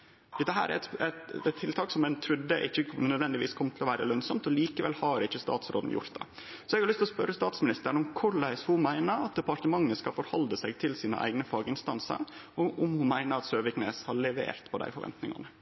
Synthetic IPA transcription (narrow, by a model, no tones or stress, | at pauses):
d̪ɛt̪ːəɦæːɾæ̰ɾɛt̪ɛt̪ɛt̪ʰːɪlt̪ʰɑːksɔmɛnt̪ʰɾʉd̪ːəʔɪçːənœd̪ʋɛnd̪ɪʋḭːskʰɔmt̪ʰɪlɔʋæːɾə̰lœnsɔmt̪ɔliːkəʋɛlhɑɾɪçːəst̪ɑ̰ːt̪sɾo̰ːd̪n̩jʊ̰ɾt̪d̪ɛ̰ | sɔɛɡhɑɾɭʏst̪lɔspœɾːəst̪ɑːt̪smɪnɪst̪əɳɔmkʰʊɭæɪshʊmæɪnəɾɑt̪̚d̪ɛpɑʈ̪əmɑŋːəskɑfɔɾhɑld̪əsæɪɡt̪ʰɪlsiːnə̰ʔæ̰ɪɡnəfɑːɡəɪnst̪ɑnsə̰ɾɔʔɔmhʊmæɪnəɾɑt̪søːʋɪkneːshɑɭɛʋḛːɾt̪pʰɔd̪æ̰ɪfɔɾʋɛ̰nt̪nɪ̰ŋɑ̰nə